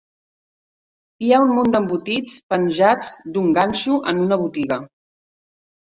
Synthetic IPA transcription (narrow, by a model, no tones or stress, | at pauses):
iaunmond̪əmbut̪it͡spənʲʒad͡zd̪uŋɡanʲʃuʔənunəβ̞ut̪iɣə